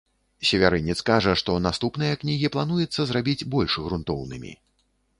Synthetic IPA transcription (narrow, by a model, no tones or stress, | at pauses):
sʲɛvʲaɾɨnʲːit̪skaʐɐʂt̪ɔnast̪upnɨjɐknʲiɣʲiplˠanujɛt̪sːɐzrabʲid͡zʲbɔlʲʂɣɾunt̪ɔwnɨmʲḭ